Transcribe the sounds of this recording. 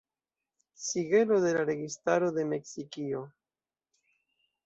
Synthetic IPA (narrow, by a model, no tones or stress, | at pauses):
siɡe̞lo̞de̞laɾe̞ɡistaɾo̞d̪e̞me̞ksikio̞